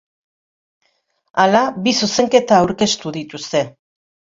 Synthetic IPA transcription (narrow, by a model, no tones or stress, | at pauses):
alaβisuse̞ŋke̞t̪aːwɾke̞st̪uðit̪ust̪e̞